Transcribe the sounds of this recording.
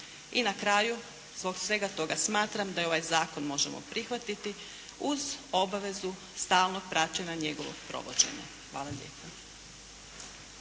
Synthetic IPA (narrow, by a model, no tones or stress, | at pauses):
inakɾaju | zbo̞ɡsʋe̞ɡat̪o̞ɡasmaːt̪ɾamd̪ajeo̞ʋajzaːko̞nmo̞ʒemo̰pɾixʋat̪it̪i | uzo̞baʋe̞zu | st̪aːlˠno̞ɡ̚pɾat͡ɕeɲaɲe̞ɡoʋo̰ɡpɾo̞̰ʋo̰d͡ʑḛɲa̰ | xʋaːlˠaʎḛːpa